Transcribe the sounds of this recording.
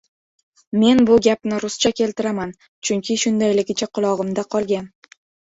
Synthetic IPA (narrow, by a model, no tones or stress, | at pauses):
me̞nbʊɡʲap̚nɪɾʊst͡ʃʰakʲʰe̞lt̪ɪɾaman | t͡ʃʰʊŋkʲʰɪʃʊnd̪ajlɪɡʲɪt͡ʃʰaqʰʊlˠɒʁɨmd̪aqʰɒlˠɡʲan